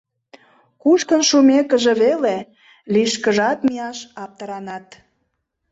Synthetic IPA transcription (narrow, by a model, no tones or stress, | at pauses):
kuʃkə̆nʃumekə̆ʒeβele | liʃkəʒɑt̪mijɑʃɑp̚t̪əɾɑnɑt̪